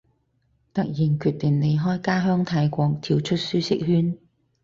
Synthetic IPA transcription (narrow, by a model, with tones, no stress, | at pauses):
t̪ɐ˥k̚jiː˨˩nkʰyː˧t̚t̪ɪ˨ŋne˨˧jɦɔː˥jkaː˥ɦœː˥ŋt̪ʰaː˧jkʷɔː˧k̚t̪ʰiː˨˧wt͡ʃʰɵ˥t̚syː˥sɪ̰˥k̚hyː˥n